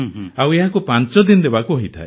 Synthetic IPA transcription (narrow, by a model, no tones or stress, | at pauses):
aweɦakupant͡ʃɔd̪inɔd̪ebakuɦoit̪ʰa̰e